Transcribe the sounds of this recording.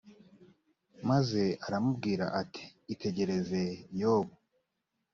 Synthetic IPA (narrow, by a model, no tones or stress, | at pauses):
maze̞aɾamub̚ɡiːɾa̰ʔatʰi̥ːtʰe̞ɟe̞ɾe̞ze̞joːβo